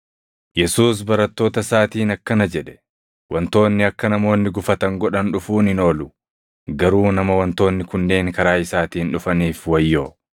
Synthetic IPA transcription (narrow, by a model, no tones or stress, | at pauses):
jɛsuːs̬bɐɾɐt̪ːo̞ːt̪ɐsaːt̪iːnɐkːɐnɐd͡ʒɛᶑɛ̥ | wɐnt̪o̞ːnːɪɐkːɐnɐmo̞ːnːɪɡʊfɐt̪ɐŋɡɔᶑɐnᶑʊfuːnɪno̞ːlʊ | ɡɐɾuːnɐmɐwɐnt̪o̞ːnːɪkʊnːe̞ːŋkɐɾaːɪsaːt̪iːnᶑʊfɐniːfwɐjːo̞ː